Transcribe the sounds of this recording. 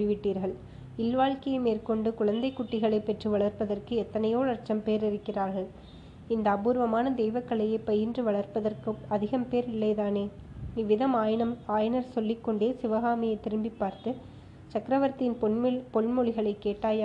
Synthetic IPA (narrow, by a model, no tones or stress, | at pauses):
ɪʋɪʈːiːɾɣɐɭ | ɪlʋaːɭkɐjɐmeːrkɔɳɖɯkʊɻɐnd̪ɐɪkːʊʈːɪɣɐɭɐɪpːɛʈrɯʋɐɭɐɾpɐðɐrkɯɛt̪ːɐnɐjoːɭɐɾt͡ʃɐmpeːɾɪɾɯkːɪraːɾɣɐɭ | ɪnd̪ɐːbuːɾʋɐmaːnɐd̪ɛjʋɐkːɐɭɐjɐɪpːɐjɪndrɯʋɐɭɐɾpɐðɐrkɯɐðɪɣɐmpeːɾɪlːɐɪt̪aːneː | nɪʋɪðɐmaːjnɐmaːjɐnɐɾsɔlːɪkːɔɳɖeːsɪʋɐɣaːmɪjɐɪt̪ːɪɾɯmbɪpːaːɾt̪ɯ | t͡ʃɐkɾɐʋɐɾt̪ɪnpɔmpɔlmɔɭɪɣɐɭɐɪkːeːʈːaːj